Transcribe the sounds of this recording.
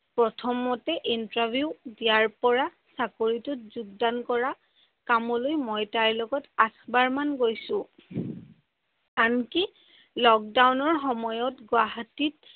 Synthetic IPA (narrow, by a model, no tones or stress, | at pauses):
pɹɔtʰɔmɔtɛʔintɹabʱjudijaɹpɔɹa | sakoɹitɔt̚zuɡ̚dankɔɹa | kamɔlojmɔjtaɹlɔɡɔtasbaɹmanɡojsʊ̃ | anki | lɔk̚dawnɔɹxɔmɔjɔtɡwaɦatit